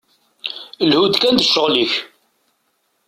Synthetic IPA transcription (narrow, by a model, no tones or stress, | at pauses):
lhud̪kænd̪əʃːəʁliç